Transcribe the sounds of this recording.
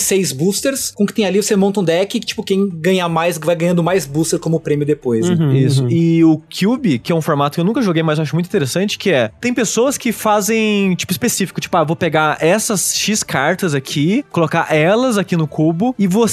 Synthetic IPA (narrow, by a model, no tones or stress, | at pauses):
sejzbust̪eɾskõkɪt̪ẽj̃alivosemõnt̪ɐũd̪ɛkɪt͡ʃi̥pʊkẽj̃ɡɐ̃ɲamajsvajɡɐ̃ɲ̃ɐ̃nd̪ʊmajzbust̪eɾkõmʊpɾẽmjʊd̪epojsɛisʊɪʊkʰjubɪkɪɛũfoɾmat̪ʊkewnũkɐʒoɡejmajzewaʃ̬ʊmũt̪ĩt̪eɾesɐ̃nt͡ʃɪ̥kɪɛt̪ẽj̃pesoɐskɪfazẽj̃t͡ʃi̥pʊispesifikʊ̥t͡ʃi̥pʊaewvopeɡaɛsɐsʃiskʰaɾt̪ɐzakʰikolokaʔɛlɐzakinʊkʰubʊɪvo